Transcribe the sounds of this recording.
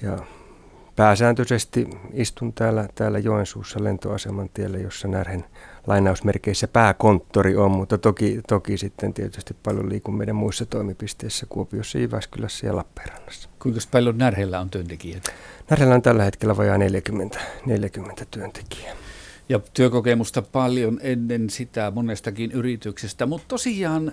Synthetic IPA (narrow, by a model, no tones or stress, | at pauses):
jɑ | pæːsæːnt̪øsest̪iist̪unt̪æːlːæt̪æːlːæjoensuːsːɑlḛnt̪o̰ɑsemɑnt̪ielːæjosːɑnærhenlɑinɑusmerkeisːæpæːkont̪ːoriommut̪ːɑt̪okit̪okisit̪ːent̪iet̪yst̪ippɑljo̰liːkummeiɾæmmuisːɑt̪oimipist̪eisːækuopiosːɑjyʋæ̰skylæsːæjɑ̰lɑpːe̥ːrɑ̥n̥ːɑ̥sːɑ̥kuiŋkɑspɑljonnærhelːæont̪yønt̪ekiæt̪nærhelːæont̪ælːæhet̪kelːæʋɑjɑneljækymːent̪æ̥neljækymːent̪æ̥t̪yønt̪e̥ki̥æjɑt̪yøkokemust̪ɑpɑljonenːensit̪æmonest̪ɑkinyrit̪yksest̪æmut̪t̪osijˑɑːn